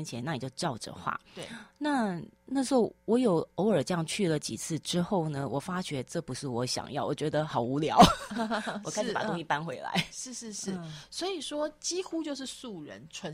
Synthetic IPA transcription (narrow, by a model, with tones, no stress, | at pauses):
nt͡ɕʰjɛ˧˦na˥˩ni˨˩t͡ɕjo˥˧ʊʈ͡ʂɑ˥˩ʊʈ͡ʂə̰˨xwa̰˥˩na˥˨na˥˩ʂɻ̩˧˥o˥˩wɔ˧˥jo˨˩ʊo˧˥ʊə˞˨˩ʈ͡ʂə˥jɑ˥˧ŋt͡ɕʰy˥˩lə˨˩t͡ɕḭ˨˩t͡sʰɹ̩˥˩ʈ͡ʂɻ̩˥xo˥˩ʊnə˩wʔɔ˨˩fa˥ɕɥɛ˧˥ʈ͡ʂɤ˥˩pu˧˥ʂɻ̩˥˩wɔ˧˦ɕjɑ̰˨˩ŋjɑ˥˩ʊwɔ̰˨˩t͡ɕɥɛ˧˥d̪ə˧xɑ˨˩ʊu˧˥ljɑ˧˦ʊ | ɔ˨kʰɪʂ̩˨˩pa˨˩t̪o˥˧ŋi˥˩pa˦nxwe˧˥ɪla̰˧˦ɪʂɻ̩˥˧ʂɻ̩˥˧ʂɻ̩˥˩swɔ˧˥i˨˩ʂwɔ˥t͡ɕi˥xu˥t͡ɕjo˥˧ʊʂ̬ɻ̩˥˩˨su˥˩ɻə̰˧˦nʈ͡ʂʰwə˧˦